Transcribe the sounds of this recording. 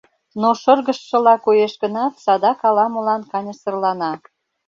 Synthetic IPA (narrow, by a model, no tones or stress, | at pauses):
noʃərɣəʃːə̆lɑkojeʃɡənɑt̪sɑd̪ɑkɑlɑmŏlɑnkɑnʲəsə̆rlɑnɑ